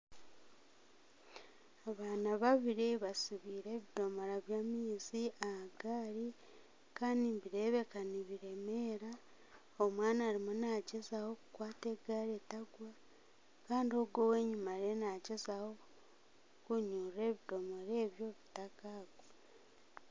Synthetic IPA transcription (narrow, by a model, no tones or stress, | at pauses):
aβaːnaβaβiɾiβasiβiːɾe̞ːβido̞mo̞ɾaβjaːmiːziahaɡaːɾi | kaːndimβiɾe̞βe̞kaniβiɾe̞me̞ːɾa | omwaːnaːɾimonaːɟezaho̞kukwaːte̞ːɡaːɾetaɡwa | kaːndio̞ɡowe̞ːɲumaɾe̞naɟezaho̞ | kuɲuːre̞ːβido̞mo̞ɾe̞ːβjo̞βitakaːɡwo